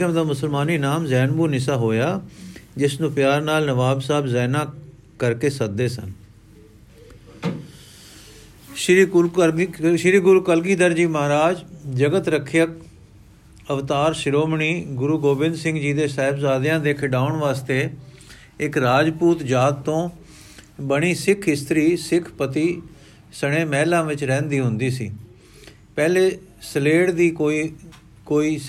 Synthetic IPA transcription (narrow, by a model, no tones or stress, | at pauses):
əmd̪aːmʊsəlmaːniːnaːmzɛːnbuːnɪsaːɦoːjaːd͡ʒɪsnũːpɪjaːɾnaːlnəʋaːbsaːbzɛːnãː | kəɾkeːsək̚d̪eːsə̰n | ʃ | ʃɪɾiːɡʊɾuːkəlɡiːd̪əɾd͡ʒiːməɦaːɾaːd͡ʒd͡ʒəɡət̪ɾəkʰjək | əʋt̪aːɾʃɪɾoːmɳiːɡʊɾuːɡoːbɪ̃nd̪sɪ̃ŋɡd͡ʒiːd̪eːsɛːɪbsaːd̪jãːd̪eːkʰɖaːʊɳʋaːst̪eː | ɪkɾaːd͡ʒpuːt̪d͡ʒaːd̪t̪õː | bəɽ̃iːsɪkʰɪst̪ɾiːsɪkʰpət̪iː | səɽ̃eːmɛːlãːʋɪt͡ʃɾɛ̃ːnd̪iːɦʊnd̪iːsḭː | pɛːleː | səleːɽd̪iːkoːi | koːiː